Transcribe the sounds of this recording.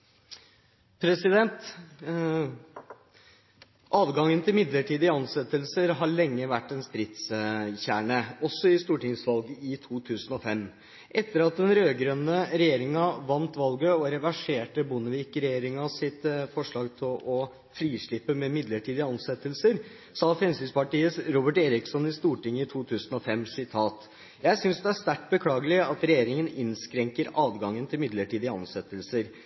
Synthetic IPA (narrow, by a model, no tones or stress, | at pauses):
pʰɾɛsɪd̪ɛnt̪ | ʔɑːʋɡɑŋənt̪ɪlmɪd̪ləʈiːd̪ɪɑnsɛt̪ːəlsəɾɦɑɭɛŋːəʋæʈːɛnst̪ɾɪt̪sçæːɳəɔsːɔɪst̪uːʈɪŋsʋɑlɡɪt̪ʰuːt̪ʰʉːsənɔfɛm | ʔɛt̪ːəɾɑt̪̚d̪ɛnɾøːɡɾœnːəɾɛjeːɾɪŋɑʋɑnt̪ʋɑlɡəɔɾɛʋæʂeːʈəbʊnəʋiːkɾɛjeːɾɪŋɑsɪt̪fɔʂɭɑːɡt̪ʰɪlɔ | fɾiːʂɭɪpːəmɛmɪd̪ləʈʰiːd̪ɪəɑnsɛt̪ːəlsəɾ | sɑːfɾɛmsyspɑʈiːəsɾuːbəʈeːɾɪksɔnɪst̪uːʈɪŋːəɪt̪ʰuːt̪ʰʉːsənɔfɛmsɪt̪ʰɑːt̪ | jæɪsʏnsd̪ɛæst̪æʈ̚bəkʰlɑːɡəlɪɑt̪ɾɛjeːɾɪŋənɪnskɾɛŋkəɾɑːd̪ɡɑŋːənt̪ʰɪlmɪd̪ləʈiːd̪ɪəɑ̰nsɛt̪ːəlsəɾ